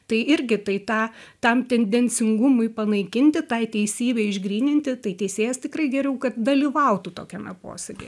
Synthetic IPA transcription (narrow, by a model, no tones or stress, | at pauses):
t̪ɐɪɪɾʲɡʲɪt̪ɐɪt̪ɑːt̪ɐmt̪ʲɛnʲd̪ʲɛnʲt͡s̪ʲɪŋɡʊmʊɪpɐnɐɪkʲɪnʲt̪ʲɪt̪ɐɪt̪ʲɛɪsʲiːbʲɛɪɪʒɡɾʲiːnʲɪnʲt̪ʲɪt̪ɐɪt̪ʲɛɪsʲeːjɛst̪ʲɪkrɐɪɡʲɛɾʲɛʊkɐt̪̚d̪ɐlʲiʋɐʊt̪ut̪oːkʲɛmʲɛpo̰ːsʲɛɡʲḛ